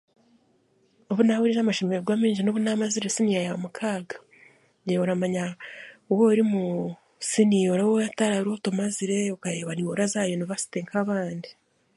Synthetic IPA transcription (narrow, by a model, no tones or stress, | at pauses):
oβunawiɾiʒamaʃemeɾeɡwaːmiːɲʒinoβunamaziɾesinijajaβamukʰaːɡḁ | eoɾamaɲawoɾimu | sinijoɾawojataɾaɾotomaziɾe̞okajeβaniwoɾazaːjoniβasi̥teŋkʰaβaːndi